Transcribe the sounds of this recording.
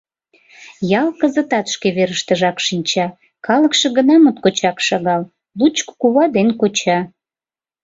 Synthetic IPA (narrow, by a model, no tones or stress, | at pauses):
jɑlkəzə̆t̪ɑt̪ʃkeβeɾəʃt̪əʒɑkʃinʲt͡ɕɑ | kɑləkʃə̆ɣənɑmot̪kot͡ɕɑkʃɑɣɑl | lut͡ɕkkuβɑd̪enkot͡ɕɑ